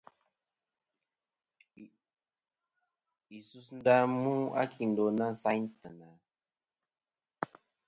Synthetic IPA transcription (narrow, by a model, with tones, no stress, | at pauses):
i˨su˧sn̩˦da˦mu˦a̰˦kʰi˨n˨do˨na˦n˨sa˦jntə˨na˨